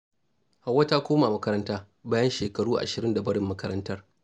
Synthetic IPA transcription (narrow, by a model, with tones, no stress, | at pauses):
ha˨wːɐ˦ta˦kʷoː˦maː˨mɐ˦kɐ˦ɾɐ˦ntaː˦ | baː˦jɐ˦nʃeː˨kɐ˨ɽuː˦ʔa̰˨ʃɪ˨ɾɪ˦nda˨bɐ˦ɽɪ˦mːɐ˦kɐ˦ɾɐ˦ntɐ˦r